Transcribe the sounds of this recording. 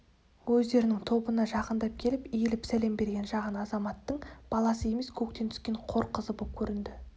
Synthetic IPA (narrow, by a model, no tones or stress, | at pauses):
wɵzd̪e̞ɾɪnɪŋt̪ʰo̞bənɑʒɑqənd̪ɑp̚kʲʰe̞lɪpijelɪpsæle̞mbe̞ɾɡʲe̞nʒɑʁənɑzɑmɑt̪ːəɴb̥ɑlˠɑsəe̞me̞skʲʰɵk̚t̪e̞nt̪ʰskʲe̞ɴqʰo̞ɾqəzəbop̚kʲʰɵɾɪnd̪ɪ